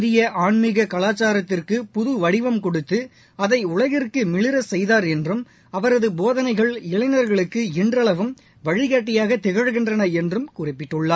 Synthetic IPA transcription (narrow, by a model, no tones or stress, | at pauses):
ðɪjɐʔaːɳmɪɣɐkɐlaːt͡ʃːaːɾɐt̪ːɪrkɯpʊðɯʋɐɽɪʋɐmkɔɽɯt̪ːɯ | ɐðɐɪʊɭɐɣɪrkɯmɪɭɪɾɐsɛjðaːɾɛndrɯm | ɐʋɐɾɐðɯboːðɐnɐɪɣɐɭɪɭɐɪnɐɾɣɐɭɯkːɯɪndrɐɭɐʋɯm | ʋɐɻɪɣaːʈːɪjaːɣɐt̪ːɛɣɐɻɯɣɪndrɐnɐɛndrɯmkʊːrɪpːɪʈːɯɭːaː